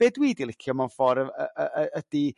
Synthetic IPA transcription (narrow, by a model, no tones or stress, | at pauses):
b̥eːdwiːdilˠɪkʰjɔmɔfɔɾəəəʔəəd̥i